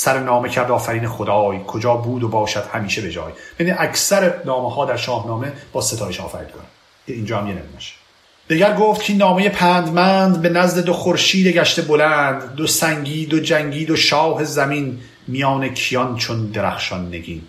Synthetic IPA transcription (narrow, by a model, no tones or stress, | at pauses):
sæɾenɒːmecʰæɾd̪ɒːfæɾiːnexod̪ɒːjkʰod͡ʒɒːbuːd̪obɒːʃæd̪̥hæmiːʃebe̞d͡ʒɒ̰ːjmæniʔækʰsæɾenɒːmehɒːd̪æɾʃɒːhnɒːme̞b̥ɒːset̪ʰɒːjeʃɒ̰ːfæ̰ɾḭːd̪kʰonæ | cʰeiːnd͡ʒɒːhæmjenḛmineʃ | d̪eɡæɾɡoːft̪̚cʰinːɒːme̞je̞pʰæːnd̪mænd̪be̞næzd̪ed̪oxoɾʃiːd̪e̞ɟæʃt̪e̞bolænd̪ːosæŋɡiːd̪od͡ʒæŋɟiːd̪o̞ʃɒːɦe̞zæmin | mijɒːnecʰijɒnt͡ʃʰond̪eɾæ̰xʃɒnːeɡiːn